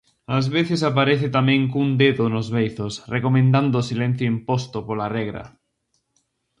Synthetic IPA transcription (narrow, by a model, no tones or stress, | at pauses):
azβeθɪsapaɾeθɪt̪amɛ̃ŋkund̪eðʊnozβejθosrekomẽnd̪and̪ʊːsilẽn̟θjoimpost̪opolarɛɣɾɐ̰